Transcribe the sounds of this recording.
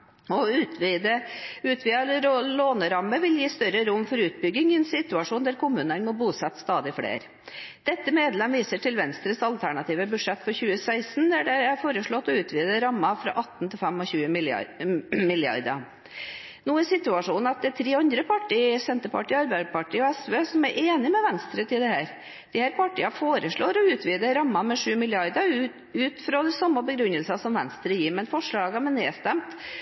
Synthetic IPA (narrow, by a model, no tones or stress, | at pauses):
ɔʉːt̪ʋid̪əʉːt̪ʰʋiːɑɾloːnəɾɑmːəʋɪljiːst̪œɾəɾʊmːfɔɾʉːt̪̚bʏɡɪŋɛɛnsɪt̪ʉɑʂuːnd̪æɾkʊmʉːnənmɔbuːsɛt̪ːst̪ɑːd̪ɪfɽḛːɾ | d̪̥ɛt̪ːəmeːd̪lɛmʋiːsəʈɪlʋɛnst̪ɾəsɑlt̪ʰæɳɑt̪iːʋəbʉʂɛt̪ːfɔɾçʉːəsæɪsnd̪æɖɛfoːɾəʂɭɔt̪ːɔʉːt̪ʰʋiːd̪əɾɑmːɑfɾɑ̰ːʔɑt̪ːn̩t̪ʰɪlfɛmɔçʉːəmɪ̰ | mɪljɑ̰ɾd̪ɑ̰ | nuːæɾsɪt̪ʉɑʂuːn̩ɑt̪̚d̪ɛæt̪ʰɾeːɑnd̪ɾəpʰɑʈːiːsɛnt̪əɾpɑʈiːɑɾbæɪpɑʈiːɔæsʋeːsɔmæɾʔeːnɪmɛʋɛnst̪ɾət̪ɪld̪ɛhæːɾ | d̪̥ɪhæːɾpʰɑʈiːɑfoːɾəʂɭoːɾɔʉːt̪ʰʋiːd̪əɾɑmːɑmɛʂʉːmɪlɪɑɾd̪ə | ʉːt̪fɾɑd̪ɛsɑmːəbəɡɾʉnːəlsɑsɔmʋɛnst̪ɾəjiːɾmɛnfɔʂɭɑːɡəmɛneːst̪ɛmt̪